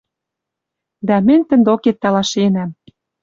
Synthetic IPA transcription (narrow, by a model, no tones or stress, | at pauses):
d̪æmɘ̆nʲt̪ə̆nd̪oket̪ːɑlɑʃenæm